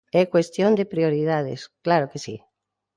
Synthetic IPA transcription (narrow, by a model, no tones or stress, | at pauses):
ɛkwest̪jõnd̪epɾioɾið̞að̞ɪ̰sklaɾokesḭ